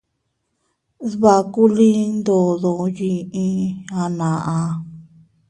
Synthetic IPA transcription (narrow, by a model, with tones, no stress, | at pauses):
ðβa˧ku˦li˦nd̪o˨ðo˧ji˧ʔĩ˧a˧nã˨ʔã˧